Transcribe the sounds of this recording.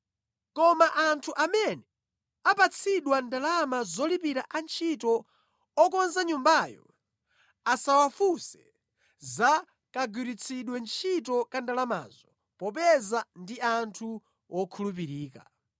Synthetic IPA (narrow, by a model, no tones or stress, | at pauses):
kɔmaʔantʰuʔamɛnɛ | apat͡sʰiɗwandalamazɔlipiɾaʔant͡ʃʰitɔ | ɔkɔnzaɲumbajɔ̰ | asawafusɛ̥ | za | kaɡiɾit͡sʰiɗwɛnt͡ʃʰitɔkandalama̰zɔ | pɔpɛzandiantʰu | wɔkʰulup̬iɾiːka̰